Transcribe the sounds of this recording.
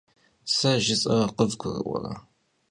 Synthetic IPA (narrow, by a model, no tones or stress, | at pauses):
sɐʒɪsʼɐrɐqəvɡʷʊrɨ̰ʔʷɔ̰rɐ